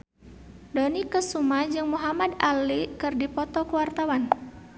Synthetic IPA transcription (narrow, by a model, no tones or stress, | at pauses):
donikəsumad͡ʒɨŋmuɦamadalikɨrdipɔt̪ɔkəwart̪awan